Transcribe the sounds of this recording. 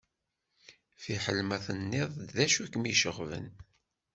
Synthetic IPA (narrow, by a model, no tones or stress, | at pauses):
θiħəlmæθənːɪðˤðæʃukmiʃəʁvə̰n